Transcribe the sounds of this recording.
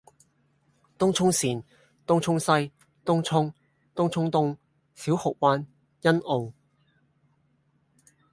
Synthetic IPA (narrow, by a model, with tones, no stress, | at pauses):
t̪ʊ˥ŋt͡ʃʰʊ˥ŋsiː˨˩n | t̪ʊ˥ŋt͡ʃʰʊ˥ŋsɐ˥j | t̪ʊ˥ŋt͡ʃʰʊ˥ŋ | t̪ʊ˥ŋt͡ʃʰʊ˥ŋt̪ʊ˥ŋ | siː˨˥whʊ˨k̚waː˥n | jɐ˥nʔo˨w